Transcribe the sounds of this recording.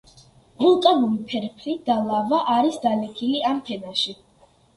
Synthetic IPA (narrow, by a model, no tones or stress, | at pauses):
ʁulˠkʼanulipʰɛɾpʰlid̪̥alˠavaʔaɾisd̪alɛkʰiliampʰɛnaʃi